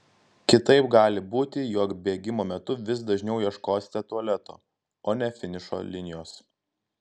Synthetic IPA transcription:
kʲɪt̪ɐɪpɡɑːlʲɪbuːt̪ʲɪjɔːkbʲeːɡʲɪmoːmʲɛt̪ʊʋʲɪsd̪ɐʒʲnʲɛʊjiɛʃkoːsʲt̪ʲɛt̪uɐlʲɛt̪o̰ː | oːnʲɛfʲɪnʲɪʃo̰ːlʲɪnʲɪjoːs

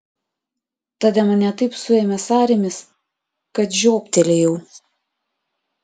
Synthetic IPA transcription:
t̪ɑːd̪ʲɛmɐnʲɛt̪ɐɪpsʊeːmʲɛsɑːɾʲemʲɪs | kɐt̪ʒʲoːpʲt̪ʲɛlʲejɛʊ

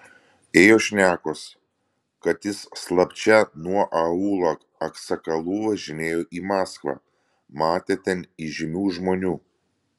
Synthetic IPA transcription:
eːjoːʃʲnʲæːkoːs | kɐt̪jɪsːlˠɐpʲt͡ʃʲɛnuɔʔɐuːlˠɐk | ɐksɐkɐlˠuːʋɐʒʲɪnʲeːjoːʔiːmɑːskʋɑ̰ː | mɑːt̪ʲet̪ʲɛniːʒʲɪmʲuːʒmoːnʲuː

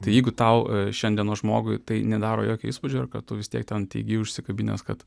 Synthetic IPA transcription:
t̪ɐɪjɛɪɡʊt̪ɐʊʃʲɛnʲd̪ʲiɛnoːʒmoːɡʊɪt̪ɐɪnʲɛd̪ɑːɾo̰ːjoːkʲʊiːspʊd͡ʒʲoːɐɾkɐtt̪ʊʋʲɪst̪ʲḭɛktʲɛnt̪ʲɛ̰ɪɡʲɪːʊʃʲsʲɪkɐbʲinʲḛskɐt̪

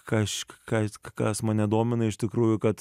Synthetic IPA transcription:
kɐʃkkɐkɐsmɐnnʲɛd̪oːmʲɪnɐɪʃt̪ʲɪkɾuːjʊkɐt̪

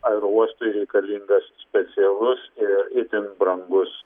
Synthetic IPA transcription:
ɐɾuɔst̪oɪɾʲɛɪkɐlʲiŋɡɐssʲpʲɛt̪sʲɪɛlˠʊsɪɾɪt̪ʲɪŋbɾɐŋɡʊs

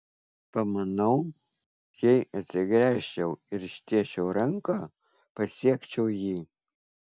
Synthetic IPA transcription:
pɐmɐnɐʊ | jɛɪɐt̪ʲsʲɪɡɾʲæːʃʲt͡ʃʲɛʊɪɾɪʃʲt̪ʲiɛʃʲɛʊɾɐŋkɑː | pɐsʲiɛkt͡ʃʲɛʊjiː

